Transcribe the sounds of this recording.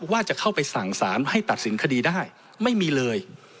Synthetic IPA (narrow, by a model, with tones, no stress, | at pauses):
waː˥˩t͡ɕa˨˩kʰa˥˩wpa˧jsa˨˩ŋsaː˩˦nha˥˩jt̪a˨˩t̪̚si˩˦nkʰa˧diː˧daː˥˩j | ma˥˩jmiː˧lɤː˧j